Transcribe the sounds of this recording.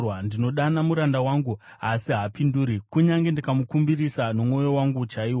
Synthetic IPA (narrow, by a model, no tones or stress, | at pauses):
wandino̞ɗanamuɾandawaːŋɡu | asiɦapinduːɾikuɲaŋɡendakamukumbirisanomŋo̞jo̞waŋɡut͡ʃaiːwa